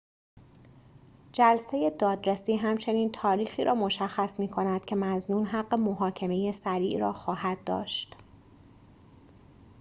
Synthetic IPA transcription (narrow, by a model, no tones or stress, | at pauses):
d͡ʒælse̞je̞d̪ɒːd̪ɾesiːɦæmt͡ʃʰe̞niːnt̪ʰɒːɾiːxiːɾʔɒːmo̞ʃæxːæsmiːkʰo̞næd̪̥̚cʰe̞mæznuːnɦæɢːe̞mo̞ɦɒːcʰe̞me̞je̞sæɾiːʔɾɒ̰ːxɒːhæd̪̚ːɒ̰ːʃt̪